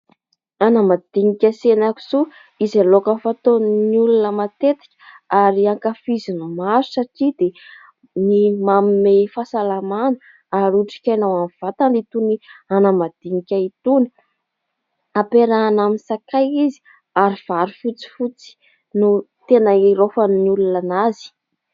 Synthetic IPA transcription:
anamad̪̥iŋikʲəsenaku̥z̥o | izalokəfat̪onniulunəmat̪et̪i̥kʲə̥aɾiaŋkafizinumasu̥saʈ͡ʂid̪e | nimamimefasalamanə | aɾuʈ͡ʂi̥kʲajnawanv̥at̪aɳɖ͡ʐit̪unianamad̪̥iŋikʲait̪uni̥ | apeɾanaminsakajizi̥ | aɾiv̥aɾifut͡si̥fut͡si̥ | nut̪enaiɾofənnulunanazi̥

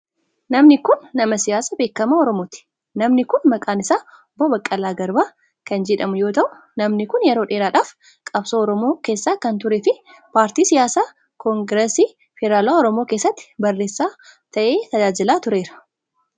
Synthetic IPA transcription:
nɐmnɪkʊnːɐmɐsɪjaːsabe̞ːkːɐmaːɔɾɔmoːt̪ɪ̥ | nɐmnɪkʊnmɐkʼaːnɪsaː | boːbɐkʼːɐlaːɡɐɾbaː | kɐnd͡ʒɛᶑɐmʊjo̞ːt̪ɐʔʊ | nɐmnɪkʊnjɛɾo̞ːᶑe̞ːɾaːᶑaːf | kʼɐbsoːɔɾɔmoːke̞ːsːaːkɐnt̪ʊɾeːfɪ | paːɾt̪iːsɪjaːsaː | kɔŋɡɾɛsi | fɪɾaːlaːɔɾɔmoːke̞ːsːɐt̪ːɪ̥bɐrːe̞ːsːaːt̪ɐʔe̞ːt̪ɐd͡ʒaːd͡ʒɪlaːt̪ʊɾe̞ːɾɐ̥

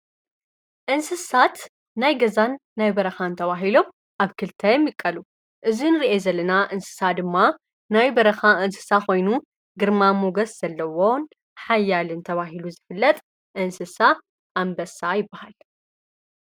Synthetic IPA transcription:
ʔɨnsɨsat̪ | najɡɐzanːajbɐɾɐxaɨnt̪ʰɐβaɦilo̞m | ʔaβkʰɨlt̪ʰɐjɛmjɪkʼːɐlu | ʔɨzinɨɾiʔezɐlːɐnaʔɨnsɨ̥sad̪ɨmːa | najbɐɾɐxaʔɨnsɨ̥saxo̞jnu | ɡɨɾmamuɡɐsz̥ɐlːɐwon | ħajːalɨnt̪ʰɐβaɦiluzɨfɨlːɐt̪ʼ | ʔɨnsɨsa | ʔːmbɐsajɪbːahal

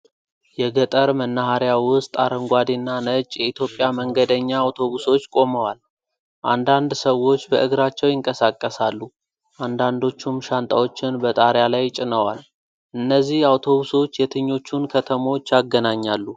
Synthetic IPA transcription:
jɛɡət̪ʼəɾmənːahaɾjawʊst̪ʼaɾəŋɡʷad̪inːanət͡ʃʼjɛit̪ʰjo̞pʼːjaməŋɡəd̪əɲːaːwt̪ʰo̞βuso̞t͡ʃːkʼo̞məwal | ʔand̪and̪səwːo̞t͡ʃːbəʔɨɡɾat͡ʃːɛwjɪŋkʼəsakʼːəsalːu | ʔand̪and̪o̞t͡ʃːumʃant̪ʼawo̞t͡ʃːɪnbət̪ʼaɾjalajt͡ʃʼɪnəwal | ʔɨnːəzːihawt̪ʰo̞βuso̞t͡ʃːjɛt̪ʰɨɲːo̞t͡ʃːunkʰət̪ʰəmo̞t͡ʃːjaɡːənaɲːalːu

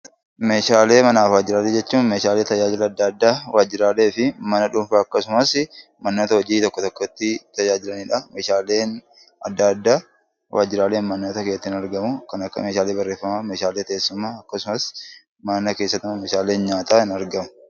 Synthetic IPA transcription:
me̞ːʃaːle̞ːmɐnaːfwaːd͡ʒɪɾaːleːd͡ʒɛt͡ʃːuːnme̞ːʃaːle̞ːt̪ɐd͡ʒaːd͡ʒɪlɐːd̪ːad̪ːaːwʔaːd͡ʒɪɾaːle̞ːfɪmɐnɐᶑʊɱfaːɐkːɐsʊmɐsmɐnːoːt̪ɐhɔd͡ʒiːt̪ɔkːɔt̪ɔkːɔt̪ːɪt̪ɐd͡ʒaːd͡ʒɪlɐniᶑɐme̞ːʃaːle̞ːn | ɐ̰d̪ːad̪ːaː | wʔaːd͡ʒɪɾaːleːnmɐnːoːt̪ɐkeːt̪ːɪnɐɾɡɐmʊkɐnɐkːɐ̰me̞ːʃaːle̞ːbɐrːe̞ːfːɐmaːme̞ːʃaːle̞ːt̪eːsːʊmːaːɐkːɐsʊmɐs | mɐnɐke̞ːsːɐt̪ːɐmɐmeːʃaːle̞ːnɲaːt̪aːɪnɐɾɡɐmʊ̥

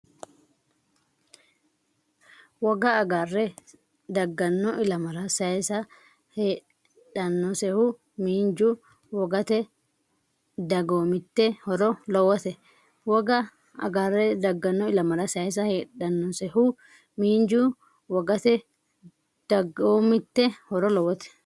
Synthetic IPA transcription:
wɐɡaːɡarːɛ | d̪ɐɡːɐnːɔʔɪlɐmɐɾasɐɛsɐ | heː | ᶑɐnːʊsɛhu | miːnd͡ʒu | wɔɡɐt̪ɛ | d̪ɐɡoːmɪt̪ːɛhɔɾɔlɔwːɐt̪ɛ | wɐɡɐ | ɐ̰ɡaːrːɛd̪ɐɡːɐnːɔɪlɐmɐɾasɐɛs̬ɐheːᶑɐnːɔsɛhu | miːnd͡ʒuː | wɐɡɐt̪ɛ | d̪̥ɐɡoːmɪt̪ːɛhɔɾɔlɔwːɐt̪ɛ̥

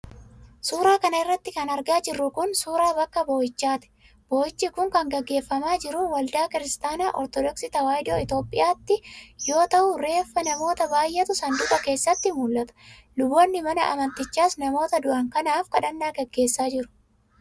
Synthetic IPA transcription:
suːɾaːkɐnɐɪrːɐt̪ːɪkɐnɐɾɡaːd͡ʒɪrːʊkʊnsuːɾaːbɐkːɐbo̞ːjɪt͡ʃːaːt̪ɛ̥ | b̥o̞ːjɪt͡ʃːiːkʊŋkɐŋɡɐɡːe̞ːfːɐmaːd͡ʒɪɾʊwɐld̪aːkɪɾɪst̪aːnaːʔɔɾt̪ɔd̪ɔksɪt̪ɐwaːjd̪oːɪt̪o̞ːpʼɪ̰jaːt̪ːɪjo̞ːt̪ɐʔʊɾe̞ːfːɐnɐmo̞ːt̪ɐbaːjʔɛt̪ʊsɐnd̪ʊʔɐke̞ːsːɐt̪ːɪmuːlːɐt̪ɐ̥lʊbːɔnːɪmɐnɐʔɐ̰mɐnt̪ɪt͡ʃːaːsnɐmo̞ːt̪ɐd̪ʊʔɐŋkɐnaːfkɐᶑɐnːaːɡɐɡːe̞ːsːaːd͡ʒɪɾʊ̥

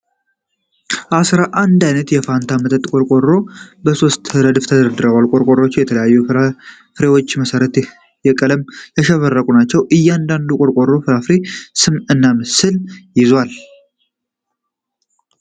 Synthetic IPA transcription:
ʔasɾaʔand̪ajnət̪jɛfant̪ʰamət̪ʰʼət̪ʼːkʼo̞ɾkʼo̞ɾːo̞bəso̞st̪ɾəd̪ɨft̪ʰəd̪əɾd̪ɨɾəwalkʼo̞ɾkʼo̞ɾo̞t͡ʃːɪjɛt̪ʰələjajːu | fɾe̞wot͡ʃːməsəɾət̪ | jɛkʼələmjɛʃɛβərːəkʼunat͡ʃːɛwʔɨjːɛand̪and̪ukʼo̞ɾkʼo̞ɾːo̞fɨɾafɾesɨmɨnːamɨsɨljɪzwal

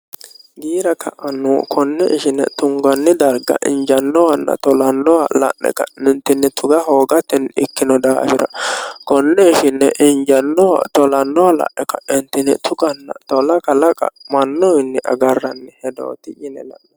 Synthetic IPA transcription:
ɡiːɾɐkʰɐʔɐnːuːkʰɔnːɛʔɪʃɪnːɛ̰t̪ʊŋɡɐnːɪd̪ɐɾɡɐ̰ʔɪ̰nd͡ʒɐnːɔwɐnːɐ̰t̪ɔlɐnːɔwɐlɐ̰ʔːɛ̰kɐ̰nɪnt̪ɪnːɛt̪ʰʊɡɐɦoːɡɐt̪ːɪnɪkːɪnɔd̪a̰ːfɪɾɐ̰kɔnːɛɪʃɪnːɛʔɪnd͡ʒɐnːɔwɐ̰t̪ɔlɐnːɔwalɐ̰ʔːɛkɐʔɪnt̪ɪnɛt̪ʰʊɡɐnːɐ̰t̪ɔlɐkʼɐlɐkʼɐ̰mɐnːɔɪnːɪʔɐ̰ɡɐrːɐnːɛhɛd̪o̰ːt̪ɪjɪnɛlɐ̰ʔːɛ

